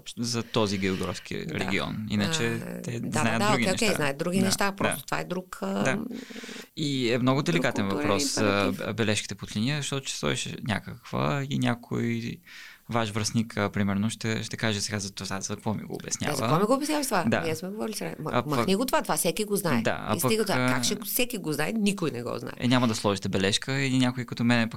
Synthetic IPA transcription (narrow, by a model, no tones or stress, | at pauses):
ɔpʃt̪zɐt̪ɔziɡɛoɡɾɔfskʰḭɾɛ̰ɡʲiɔ̰nḭnət͡ʃɛɛd̪d̪najtd̪auɡioɛkʲɛzanajət̪̚d̪ɾuɡʲinɛʃt̪apɾɔast̪ot̪ova̰ɛd̪ɾukd̪a | iɛmnɔɡʊd̪ɛlikat̪ɛnvɐpɾɔszɐbɛlɛʃki̥t̪ɛpot̪lʲiniəzɐʃt̪ɔt̪ʊ̥t͡ʃɛ̥st̪ɔɛʃɛ̰nʲa̰kəkvə̰inʲjakʰo̰j | vaʃvɾəsnikʰəpɾimɛɾnoʃt̪ɛʃt̪ɛkaʒɛsɛɡazɐt̪ovazɐkvɔmḭɡo̰ːbɛ̰snʲja̰vɐəɔmiɡoʊːbɛsnʲjavət̪vad̪a̰ɛsmɛɡovɔɾilʲisɛɡamniɡot̪ovat̪ovasɛkiɡoznaɛd̪a̰ɐ̰pəiɡət̪akakʃɛsɛkiɡoznajnikojnɛɡɔ̰zna̰ɛɛ̰nʲamɐd̪ɐslˠɔʒit̪ɛbɛlɛʃkəinʲakʊikot̪omɛnɛpk